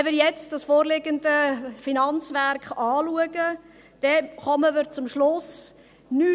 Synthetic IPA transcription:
ɛvɪɾjɛt͡sd̥ɑsfoːɾlɪɡəndəfinɑnt͡sʋæɾkχɑːluəɡə | d̥ɛχɔməməɾt͡sʊmʃlʊs | ny

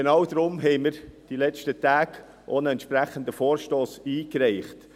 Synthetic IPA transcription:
enɑʊd̪ɾʊmɦɛɪməɾd̥ilɛt͡ʃtətæːɡ | ʔonəɛnt̪ʃpɾæχənd̪əfoːɾʃtoːsiːkɾɛɪχt

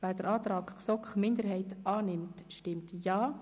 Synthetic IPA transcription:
væːd̥əɾɑːt̪ɾɑːkksɔkχmɪndəɾɦɛɪtɑːnɪmtʃtɪmtjɑː

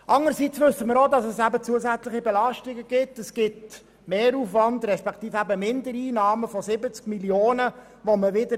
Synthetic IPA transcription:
ʔɑŋəɾsit͡sʋʏsːəməɾodɑsɛsæbət͡suəsæt͡slɪχibɛlɑʃtɪɡəɡ̥ɪtɛsɡ̥ɪt | meːɾuːfʋɑndrɛspɛkt̪iːfæbəmɪndəɾiːnɑːməfɔzɪbət͡skmiljoːnə | ʋoməʋɪdə

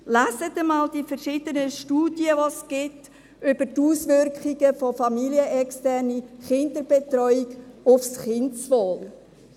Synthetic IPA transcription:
læsətəmɑːldifəɾʃɪdənəʃtuːdjəvosɡ̥ɪt | ʏb̥ətuːsʋʏɾkχiɡəfɔfɑmiliəʔɛkstɛɾniχɪndəb̥ɛtɾɔʏiɡʊfsχɪntsʋoːl

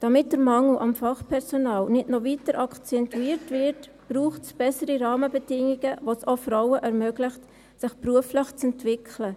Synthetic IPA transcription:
d̥ɑmɪt̚d̥əɾmɑŋl̩ʔɑmfɑχpʰɛɾsonɑːlnɪtnɔvitəɾʔɑkt͡sɛntuiːɾtvɪɾt | b̥ɾuːχtsb̥ɛsəɾiɾɑːməbədɪŋiɡəʋosofrawəʔɛɾmœɡ̥lɪχt | sɪχpruəfləχt͡sɛntʋɪkʰlə

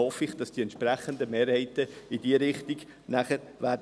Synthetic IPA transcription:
ɔfɪχd̥ɑsd̥iɛntʃpɾæχənd̪əmeːɾhɛɪt̪əɪdiːəɾɪχt̪iɡ | næχəɾʋæːd

